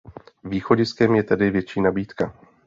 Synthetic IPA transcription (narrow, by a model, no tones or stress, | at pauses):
viːxo̞ɟɪskɛmjɛt̪ɛdɪvjɛt͡ʃiːnabiːt̪ka